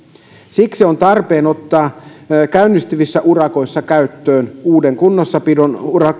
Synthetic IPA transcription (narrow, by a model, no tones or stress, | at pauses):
siksiont̪ɑrpeːnot̪ːɑːkæynːist̪yʋisːæʔurɑko̞isːɑkæyt̪ːøːnuːdeŋkunːosːɑpidonurɑ